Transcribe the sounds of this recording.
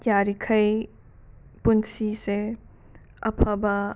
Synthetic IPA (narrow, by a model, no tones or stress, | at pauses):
kjaɾikʰɐj | punsise | ɐ̰pʰɐba